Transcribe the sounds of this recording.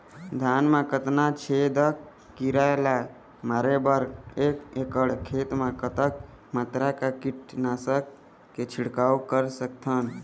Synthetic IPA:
d̪ʱanmekət̪nat͡ʃʰed̪əkː | iɾaela | maːɾebəɾekekəɽkʰet̪mekət̪ək̚ | mat̪ɾakakiʈnaːsəkː | et͡ʃʰiɽkaukəɾsəkt̪ʰən

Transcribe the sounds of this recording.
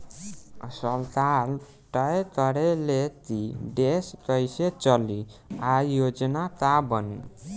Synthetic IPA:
səlt̪al | ʈəjkʌɾelet̪iɖeskʌjset͡ʃʌliajod͡ʒnak̪abəni

